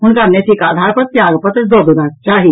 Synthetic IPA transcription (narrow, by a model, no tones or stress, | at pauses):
ʊnkamnesʰikaːd̪ʱaːɾpɐɾ̚t̪jaːɡpɐt̪d̪od̪unat͡ʃaːɦi